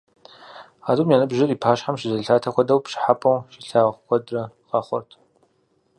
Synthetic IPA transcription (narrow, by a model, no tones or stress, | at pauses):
aːduːmjaːnɨbʒɪriːpʰaːʃħamʃɪzɐɬʰaːtʰɐxʷɔdɐwpʂɪ̥ħapʼɐwʃiɬaːʁkʷɔdrɐqɑːχʷɔ̰rtʰ